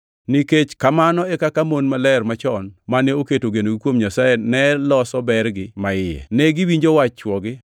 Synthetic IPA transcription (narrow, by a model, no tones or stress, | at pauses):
niket͡ʃkamanɔɛkakamonmalɛrmat͡ʃɔnmanɛoketoɡenoɡɪkwomɲasajenɛlɔsɔbɛrɡɪmaɪjɛ̰nɛɡiwiɲd͡ʒowat͡ʃːwɔɡɪ